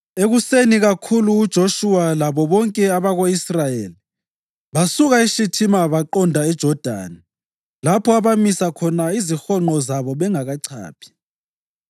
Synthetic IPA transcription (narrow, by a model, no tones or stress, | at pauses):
eɣuseniɣakʰuluːd̥ʒ̥ʱoʃuwalaβɔβɔŋkʼɛaβaɣoisrajeli | βasuɣaiʃitʰimaβaǃɔndʱaɛd̥ʒ̥ʱɔd̥ʱa̰ːni | lapʰɔaβamisakʰɔnaizixɔŋ͡ǃɔzaβɔβɛŋaɣaǀʰa̰ːpʰi̥